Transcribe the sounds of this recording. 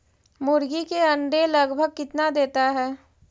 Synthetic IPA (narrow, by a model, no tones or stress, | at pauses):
mʊɾɡikeɐ̃ɳɖelɐɡbʱəɡ̚kɪt̪nad̪eːt̪aɦɛː